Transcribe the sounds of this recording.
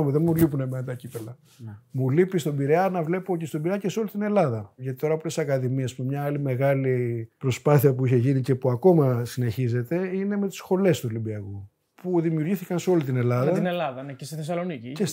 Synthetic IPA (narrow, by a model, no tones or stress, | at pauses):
omeðenmulipunemenɐt̪ɐcipelɐ | mulipist̪obiɾeɐnɐvle̞po̞cest̪o̞biɾeɐceseo̞lit̪ine̞lɐðɐʝɐt̪i̥t̪o̞ɾɐpolesisɐkɐðimiesmemɲɐɐlime̞ɣɐlipɾo̞spɐθiɐpuiçe̞ʝinice̞puɐko̞mɐsine̞çize̞t̪e̞ine̞me̞t̪i̥sxo̞le̞st̪uolibiɐku | puðimiuɾʝiθikɐnseo̞lit̪ine̞lɐðɐinelɐðɐnecest̪iθesɐlo̞nicices